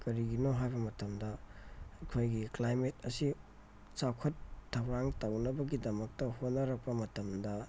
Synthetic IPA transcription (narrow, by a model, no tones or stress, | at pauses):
kɐɾiɡinoɦajbɐmɐtɐmdɐɐjkʰojɡiklajmetɐsi | sawkʰɐtʰːɐwɾaŋtɐwnɐbɐɡidɐmɐk̚tɐhotnɐɾɐk̚pɐmɐtɐmdɐ